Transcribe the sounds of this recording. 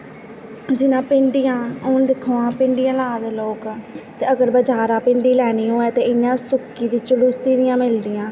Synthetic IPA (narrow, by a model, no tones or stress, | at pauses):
d͡ʒɪnãːpɪɳɖɪjãːoːnd̪ɪkʰoːãːpɪɳɖɪjãːlaːd̪eːloːkːt̪eːəɡəɾbəd͡ʒaːɾãːpɪɳɖiːlɛːniːɦoːɛːt̪eːɪnãːsʊkːiːd̪iːt͡ʃəluːsiːɾɪjãːmɪld̪ɪjãː